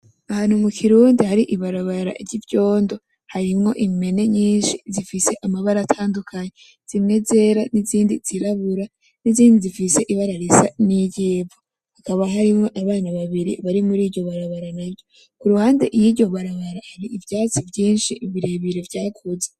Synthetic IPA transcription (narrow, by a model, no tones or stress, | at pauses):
ahaːn̥humukʰiɾuːndihaɾiʔiβaɾaβaɾa̰ʔiɾɟivjo̞ːndo̞ | haɾimŋo̞ʔime̞ne̞ɲiːnʃizifise̞ʔamaβaɾatʰaːndukʰaɲe | z̥imŋe̞ze̞ɾaniziːndiz̥iɾaβuɾa | niziːndizifise̞ʔiβaɾaɾisa̰niɟeːvo | hakaβaɦaɾimŋo̞ʔaβaːnaβaβiɾḭβaɾimuɾiːɟo̞βaɾaβaɾanabjo̞ | kuɾuhaːnde̞ʔijiɟo̞βaɾaβaɾahaɾiʔivjaːt͡sivjiːnʃiiβiɾeβiɾevjaːkʰuze